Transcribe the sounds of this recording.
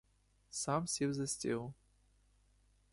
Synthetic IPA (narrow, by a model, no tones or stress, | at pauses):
samfsʲevzɐsʲtʲelˠ